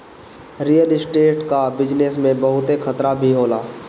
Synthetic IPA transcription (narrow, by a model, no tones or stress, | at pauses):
ɾijəlɪsʈeːʈkabɪd͡ʒnesmẽbɐɦʊt̪ekʰɐt̪ɾabʱiɦoːlaː